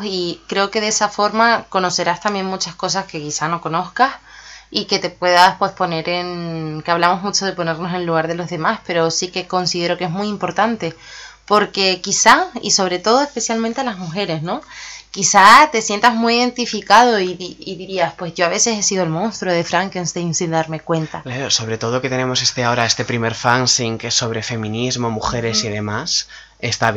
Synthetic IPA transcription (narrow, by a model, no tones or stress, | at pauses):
ikɾe̞o̞ke̞ðe̞safo̞ɾmako̞no̞se̞ɾast̪ambje̞ŋmut͡ʃasko̞s̬aske̞kisano̞ko̞no̞θkasike̞t̪e̞pwe̞ðaspwe̞spo̞ne̞ɾe̞ŋkeaβlamo̞zmut͡ʃo̞ðe̞po̞ne̞ɾno̞se̞nluɣaɾðe̞lo̞zðe̞maspe̞ɾo̞sike̞ko̞nsiðe̞ɾo̞ke̞ɦmujimpo̞ɾt̪ant̪e̞ | po̞ɾke̞kisaḭso̞β̞ɾe̞t̪o̞ð̞o̞espe̞sjalmẽnt̪e̞alazmuxe̞ɾe̞zno̞kisat̪e̞sje̞nt̪azmujiðe̞nt̪ifikað̞o̞iðiiðiɾiaspwe̞zʝo̞aβe̞se̞se̞siɣoelmõnst̪ɾoðe̞fɾaŋkinst̪ensind̪aɾme̞kwe̞nt̪aklaɾoso̞βɾe̞t̪o̞ð̞oke̞t̪e̞ne̞mo̞se̞st̪eao̞ɾae̞st̪e̞pɾime̞ɾfansiŋkeso̞βɾe̞fe̞mĩnizmo̞muxe̞ɾe̞siðe̞mas | est̪aβ